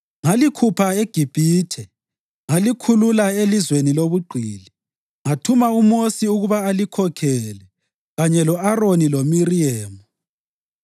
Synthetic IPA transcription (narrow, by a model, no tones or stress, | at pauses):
ŋalikʰupʰaeɡ̥ʱib̥ʱiːtʰɛ | ŋalikʰululaelizweniloβuɡ͡ǃʱiːli | ŋatʰumaumosiuɣuβaːlikʰɔkʰɛlɛ | ɣaɲɛlɔaronilomiriɛːmu